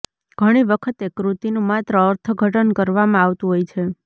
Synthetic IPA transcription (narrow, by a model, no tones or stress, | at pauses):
ɡ̥ʱəɽ̃iʋəkʰət̪ekɾut̪inũmat̪ɾəːɾt̪ʰəɡʱəʈənkəɾʋamãaʋt̪ũɦojt͡ʃʰe